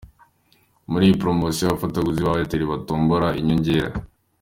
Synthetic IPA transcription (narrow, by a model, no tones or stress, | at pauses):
muɾiːjipɾomosijaβafatoɡuziβaβeteɾiβatoːmboɾaiɲoɲɟeɾa̰